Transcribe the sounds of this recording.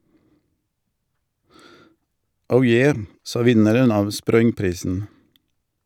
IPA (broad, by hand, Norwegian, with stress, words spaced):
ˈəʊ ˈjeː ˈsɑː ˈʋɪnəɾən ˈɑːʋ ˈspɾɔʏŋˌpɾiːsn̩